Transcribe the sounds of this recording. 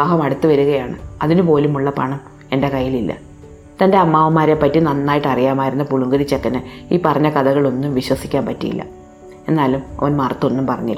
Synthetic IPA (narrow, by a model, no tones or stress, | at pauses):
aːɦɐmɐɽut̪ːuʋɐɾuɣɐjaːɳɨ̰ɐðinupo̞ːlumuɭːɐpɐ̰ɳɐm | e̞nde̞kɐjːililːɐ̰ | t̪ɐnde̞ɐmːaːʋɐmːaːɾepːɐtːinɐnːaːjiʈːɐrijaːmaːjiɾunːɐpuɭuŋɡɐɾit͡ɕːekːɐnɨiːpɐrɐɲːɐkɐðɐɣɐɭo̞nːumʋiɕwɐsi̥kʲːaːmpɐtːijḭlːɐ̰ | e̞nːaːlumɐ̰ʋɐnmɐrt̪ːo̞nːumpɐrɐɲːḭl